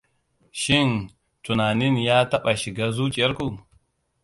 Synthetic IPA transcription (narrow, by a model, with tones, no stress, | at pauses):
ʃɪ˦˨n | tu˨naː˨nɪ˦njaː˦tɐ˦ɓa˨ʃɪ˨ɡaː˦zu˦t͡ʃʼɪ˨jɐ˦ɾku˨